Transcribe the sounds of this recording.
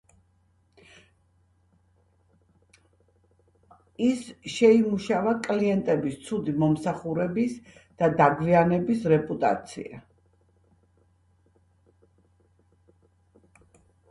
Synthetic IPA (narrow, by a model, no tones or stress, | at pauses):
isʃɛimuʃavakʼliɛnt̪ʼɛbist̪sʰud̪imɔmsaχuɾɛbisd̪̥ad̪aɡvianɛbisɾɛpʼut̪ʼa̰t̪sʰḭa̰